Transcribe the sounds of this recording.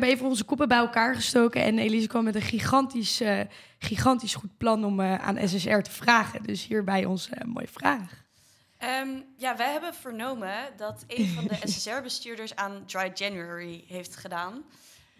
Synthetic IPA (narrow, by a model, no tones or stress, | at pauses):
ɛbəejvənɔnzəkɔpəbɛjɛlˠkaːɹχəstowkəʔɛ̰nejlis̬əkʋɑmːɛtənχiχɑntis | χiχɑntisχut̚plɑnɔməa̰ːnʔɛ̰s̬ɛsɛɹtə̥v̥raːχədɵsɦiːɹbɛjɔ̰nsəmo̰wjəvraːχ | əmjaːʋɛjɦɛbəv̥əɹnowmədɑtejnvɑdəɛsɛsɛɹbəstyːɹdəɹsaːndɹajd͡ʒɛnjuɛɹiɦejftχədaːn